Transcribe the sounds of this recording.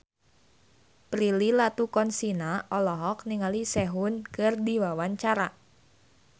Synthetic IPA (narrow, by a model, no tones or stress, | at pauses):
pɾililat̪ukɔnsinaʔɔlɔɦɔk̚niŋalisɛɦʊnkɨrdiwawaɲt͡ʃaɾa